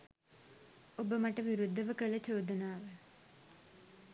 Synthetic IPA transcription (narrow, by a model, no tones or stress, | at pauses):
obəmaʈəʋiɾud̪ʱːɐʋəkələt͡ʃoːd̪ənaːʋə